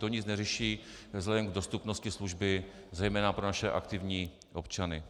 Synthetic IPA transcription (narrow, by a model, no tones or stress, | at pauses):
t̪oɲɪt͡snɛrɛʃiː | vzlɛdɛmɡdo̞st̪upno̞scɪsluʒbɪ | zɛjmɛːnapɾonaʃɛʔa̰kt̪ɪvɲiː | ʔo̞pt͡ʃanɪ